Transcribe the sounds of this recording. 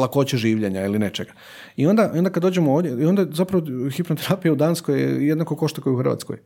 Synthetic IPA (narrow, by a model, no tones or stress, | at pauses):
lako̞t͡ɕeʒiːʋʎeɲailine̞t͡ʃe̞ɡḁ | io̞nd̪aʔio̞nd̪akad̪d̪od͡ʒemooːʋd̪ʲjeio̞nd̪azapɾaʋoxipnot̪eɾaːpijaud̪aːnskojḛjed̪nakoko̞ʃt̪akojuxrʋa̰t̪skoj